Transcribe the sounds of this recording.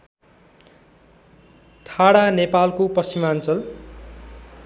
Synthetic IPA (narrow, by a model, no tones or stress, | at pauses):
tʰaɽanepalkopʌsimant͡sʌl